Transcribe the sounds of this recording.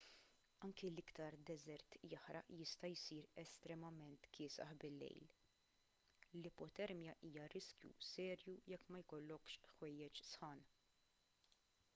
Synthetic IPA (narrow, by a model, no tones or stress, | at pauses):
ɐŋkilɪkt̪ɐɾd̪ɛzɛɾt̪jɐħɾɐʔjɪst̪ɐjsiːɾɛst̪ɾɛmɐmɛnt̪kʰɪːsɐ̰ħbɪlːɛ̰jl | lɪpɔt̪ɛɾmjɐʔiːjɐɾɪskjṵsɛːɾjujɛkːmɐjkɔlːɔkʃxwɛjːɛt͡ʃsħɐːn